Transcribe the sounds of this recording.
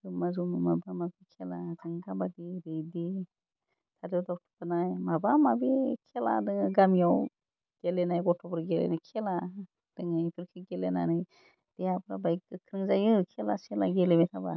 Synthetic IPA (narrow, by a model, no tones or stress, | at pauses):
ɯmazummabamabikʰelakʰaŋkʰabadiɾejdi | tʰadɔwdawtʰɯ̥pʰanajmabamabikʰela̰dɯŋɯɡamjaw | ɡ̥elenajɡɔtʰɔbɔɾɡelḛnajkʰela | d̥ɯŋajpʰiɾkʰiɡelenanɯj | d̥ejapʰɾa̰bajk̚ɯkʰɾɯŋzajɯkʰelaselaɡelemɛtʰaba